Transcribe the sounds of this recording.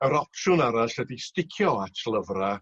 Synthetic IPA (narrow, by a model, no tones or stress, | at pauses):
əɾɔpʰʃʊnaɾaɬɛdistɪkʰjɔatʰlˠəvra